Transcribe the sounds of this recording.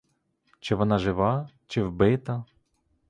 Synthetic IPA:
t͡ʃɪʋɔnɑʒɪʋɑ | t͡ʃɪwbɪt̪ɐ

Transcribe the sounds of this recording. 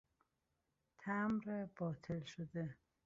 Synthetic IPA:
t̪ʰæmɾeb̥ɒːt̪ʰelʃod̪e

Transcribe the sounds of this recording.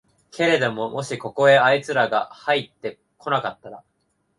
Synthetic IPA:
kʰe̞ɾe̞d̪o̞mo̞mo̞ɕiko̞ko̞e̞ait͡sɨɾaɡa̰hait̪ːe̞ | kʰo̞nakat̪ːaɾa

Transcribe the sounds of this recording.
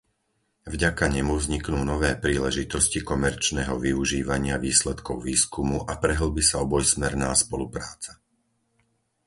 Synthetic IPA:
vɟakaɲɛmuvzɲiknuːnɔʋɛːpɾiːlɛʒit̪ɔscikɔmɛɾt͡ʃnɛɦɔʋiuʒiːʋaɲɪaʋiːslɛt̪kɔʊʋiːskumuʔapɾɛɦl̩bisaɔbɔjsmɛɾnaːspɔlupɾaːt͡sḁ

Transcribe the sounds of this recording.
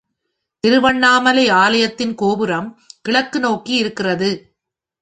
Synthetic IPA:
t̪ɪɾɯʋɐɳːaːmɐlɐɪaːlɐjɐt̪ːɪnkoːbɯɾɐmkɪɭɐkːɯnoːkiɪɾɯkːɪrɐðɯ

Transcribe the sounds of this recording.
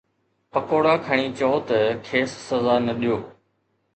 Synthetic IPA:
pəkoːɽaːkʰəɳ̃iːt͡ʃɔoːt̪ɐkʰeːssɐzaːnɐɗijoː

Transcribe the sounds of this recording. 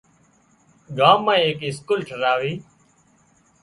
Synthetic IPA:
ɡaːmːãːeːkɪskuːlʈʰəɾaːʋiː

